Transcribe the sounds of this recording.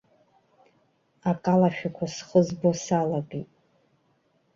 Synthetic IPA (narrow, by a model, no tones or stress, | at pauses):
akʼalaʃᶣakʷʰasχəzbosalaɡejtʼ